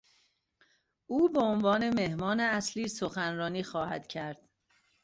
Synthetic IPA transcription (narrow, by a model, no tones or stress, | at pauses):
ʔuːbeonvɒːne̞me̞hmɒːneæsliːsoxænɾɒːniːxɒːhæ̰d̪̥cʰæɾd̪̥